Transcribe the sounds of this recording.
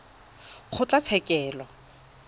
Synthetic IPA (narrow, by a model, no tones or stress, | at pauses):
χʰʊt͡ɬʼat͡sʰɛkʼɛːlɔ